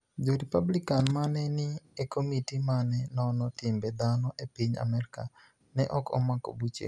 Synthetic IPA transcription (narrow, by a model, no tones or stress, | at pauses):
d͡ʒoɾipablikanmanɛnɪekomitimanɛnɔnɔtɪmbɛd̪anɔʔepiɲa̰mɛɾka | nɛʔɔkɔ̰mako̰but͡ʃḛ